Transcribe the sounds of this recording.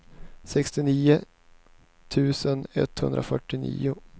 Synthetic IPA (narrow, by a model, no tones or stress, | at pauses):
sɛkst̪ɪniːʊ | t̪ʰʉ̟ːsənɛ̰t̪ːhɵ̰nd̪ɾʔa̰fœʈːɪnḭːʊ